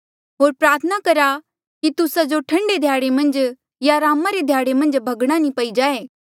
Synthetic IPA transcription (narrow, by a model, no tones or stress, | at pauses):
ɦoːɾpɾaːɾt̪ʰənakɐɾa | kit̪ʊsad͡ʒoʈʰɐ̃ɳɖed̪ʱjaːɽemɐ̃nd͡ʒ | jaɾaːmaɾed̪ʱjaːɽemɐ̃nd͡ʒbʱɐɡɽ̃anĩpɐid͡ʒaːeː